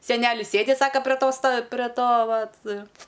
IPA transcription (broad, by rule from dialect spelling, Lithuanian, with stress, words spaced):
sʲɛˈnʲæːlʲɪs ˈsʲeːdʲɪ ˈsɑːkɐ pʲrʲɛ ˈtoː stɐ pʲrʲɛ ˈtoː ˈʋɐt